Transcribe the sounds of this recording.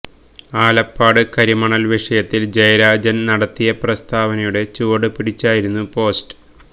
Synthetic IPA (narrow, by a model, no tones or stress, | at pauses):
aːlɐpːaːɽɨkɐɾimɐɳɐlʋiʂɐjɐt̪ːild͡ʑɐjɐɾaːd͡ʑɐnnɐɽɐt̪ːijɐprɐst̪ʰaːʋɐnɐjuɽe̞t͡ɕuːɽɨpiɽit͡ɕːaːjiɾunːupo̞ːsʈɨ̥